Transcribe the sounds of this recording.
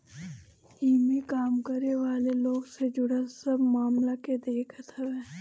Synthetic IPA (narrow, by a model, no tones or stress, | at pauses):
iːmikaːmkəɾneʋaːleloːɡsed͡ʒʊɽəsɐbmaːmlaked̪eːkʰət̪ɦɐʋẽː